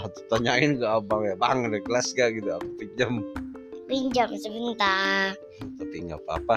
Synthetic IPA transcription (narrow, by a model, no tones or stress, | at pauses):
at̪u̥t̪aɲaɪnɡaʔːbaŋjabaŋadakəlasɡaʔɡit̪uakupiɲd͡ʒam | piɲd͡ʒamsəbənt̪a | t̪apiŋapa̰pa